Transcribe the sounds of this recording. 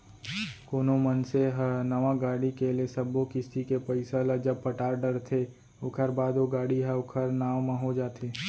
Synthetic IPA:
koːnomənseɦənəʋãɡaːɽikelesəbokɪst̪ikepəɪsalad͡ʒəb̚pəʈaːɾɖəɾt̪ʰe | okʰəɾbaːd̪oɡaːɽiɦɛʊkʰəɾnaːʋmãɦod͡ʒaːt̪ʰeː

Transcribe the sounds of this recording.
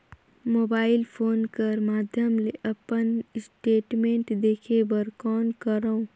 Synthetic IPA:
moːbaːɪlpʰoːnkəɾmaːd̪ʱjəmleʔɐpənsʈeːʈmẽːɳʈd̪eːkʰebəɾkɔːnkəɾəõ

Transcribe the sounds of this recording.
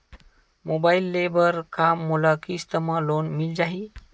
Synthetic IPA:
mobailːebəɾkamːulakist̪əmalonmild͡ʒaɦi

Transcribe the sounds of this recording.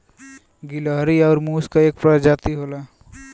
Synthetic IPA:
ɡiləɦɾiɔːɾmuːskaeːk̚pɾad͡ʒat̪iɦola

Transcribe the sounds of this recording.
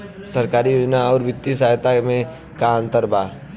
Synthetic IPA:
səɾkaːɾijoːd͡ʒnaɔːɾʋɪt̪ːisaːɦt̪amẽ | kaə̃nt̪əɾbaː

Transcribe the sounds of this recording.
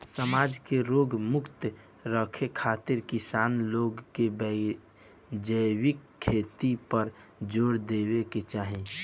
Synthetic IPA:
səmaːd͡ʒkeɾoːɡmʊkt̪ | ɾəkʰekʰaːt̪ɪɾkɪsaːnloːɡkebə | d͡ʒəjwɪkʰːeːt̪ipəɾd͡ʒoːɾd̪eweket͡ʃaːɦĩ

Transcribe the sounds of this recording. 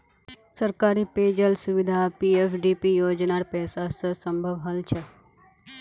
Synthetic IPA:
səɾkaɾipeːd͡ʒəlsuʋid̪ʱapiefɖipijoːd͡ʒnaɽpɛːsasəsəmbʱəʋɦəlt͡ʃʰe

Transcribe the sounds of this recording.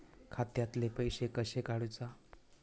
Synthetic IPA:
kʰat̪jat̪lepəjɕekəɕekaɽut͡sa

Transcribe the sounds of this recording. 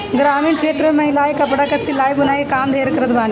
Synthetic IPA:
ɡɾaːmiːnkʰeːt̪ɾəmemɐɦɪlaːekɐpɽakɐsilaːibɐnaːikaːmd̪ʱeːɾkɐɾət̪baːni

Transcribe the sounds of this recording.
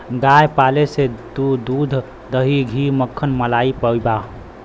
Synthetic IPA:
ɡajpalesed̪ud̪ud̪ʱ | d̪əɦiɡʱiməkʰːənməlaipəjba

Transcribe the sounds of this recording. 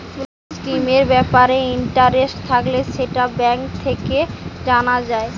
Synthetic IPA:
kul | skɾimeɾbɛpaɾeiɳʈaɾesʈt̪ʰakleʃeʈabɛŋk̚t̪ʰeked͡ʑanad͡ʑae

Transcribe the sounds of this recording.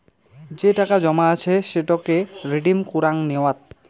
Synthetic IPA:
d͡ʑeʈakad͡ʑɔmaat͡ɕʰeʃeʈakeɾiɖimkuɾaŋneoat̪̚

